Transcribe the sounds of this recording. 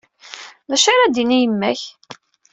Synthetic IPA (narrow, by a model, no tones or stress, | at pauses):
ðæʃaɾad̪inijəmːæç